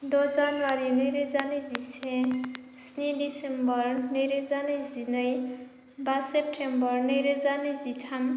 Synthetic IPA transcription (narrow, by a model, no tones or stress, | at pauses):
dod͡zanwaɾinijɾed͡zanizisʰẽ | sniɖisembʌrniɾed͡zanizinʌj | basep̚ʈʰembʌrnɯjɾed͡zanizitʰam